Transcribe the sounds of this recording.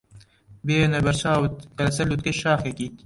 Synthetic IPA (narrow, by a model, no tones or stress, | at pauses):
beːnɐbɐɾsaːut̪kɐlɐsɐlut̪keʃaːxekik